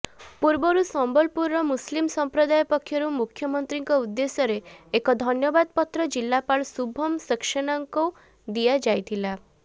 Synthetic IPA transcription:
puɾbɔɾusɔmbɔlpuɾɔmuslimsɔmpɾɔd̪ajɔpɔkʰjɔɾumukʰjɔmɔnt̪ɾiŋkɔud̪ːesɔɾeːkɔd̪ʱɔnjɔbad̪̚pɔt̪ɾɔd͡ʒilːapaɭsubʱɔmsikʃɔɽ̃ɔŋkɔ | d̪ijad͡ʒajt̪ʰila

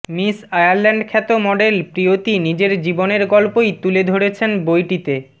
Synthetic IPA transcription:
misajaɾlɛɳɖkʰɛt̪omɔɖelpɾiot̪inid͡ʑeɾd͡ʑiboneɾɡɔlpojt̪uled̪ʱoɽet͡ɕʰenbojʈit̪e

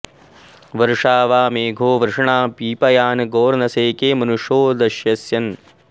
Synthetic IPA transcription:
ʋɐɾʂaːʋaːmeːɡʱoːʋɐɾʂɐɳaːpiːpɐjaːnɡoːɾnɐseːkeːmɐnuʂoːd̪ɐʃjɐsjɐn

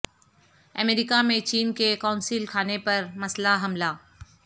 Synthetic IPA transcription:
ɐmeːɾikamẽt͡ʃiːnkekaːʊnsilkʰaːnepɐɾmɐslaɦɐmlaː

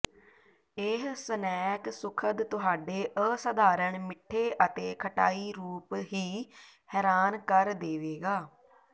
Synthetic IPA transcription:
eɦsənɛːksʊkʰəd̪t̪ʊɦaːɖeːʔəsəd̪aːɾəɳmɪʈʰːeːʔət̪eːkʰəʈaːiːɾuːpɦiː | hɛːɾaːnkəɾd̪eːʋeːɡaː

